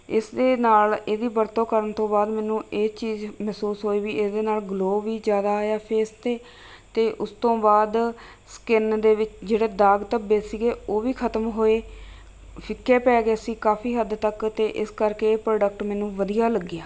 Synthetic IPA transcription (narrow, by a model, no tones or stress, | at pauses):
ɪsd̪eːnaːleːd̪iːbəɾt̪õːkəɾəɳt̪õːbaːd̪mɛːnũːeːt͡ʃiːzmɛːsuːsɦoːiːʋiːʔɪːsd̪eːnaːlɡloːʋiːzjaːd̪aːɦojaːpʰeːst̪eː | t̪eːʔʊst̪õːbaːd̪ | skɪnd̪eːʋɪt͡ʃd͡ʒeːɽeːd̪aːɡt̪əbeːsiːɡeːoːʋiːkʰət̪əmɦoːeː | pʰɪkʰːeːpɛːɡeːsiːkaːpʰiːɦəd̪t̪əkt̪eːʔɪskəɾkeːpɾoːɖək̚ʈmɛːnũːʋəd̪ijaːləɡːɪjaː